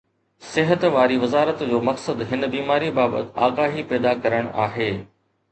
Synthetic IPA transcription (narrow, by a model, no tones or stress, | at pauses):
sɪɦət̪ʋaːɾiʋɐzaːɾət̪d͡ʑoːmɐksəd̪ɦɪn̆biːmaːɾibaːbə̰t̪a̰ːɡaːɦipɛːd̪akɐɾəɽ̃aːɦeː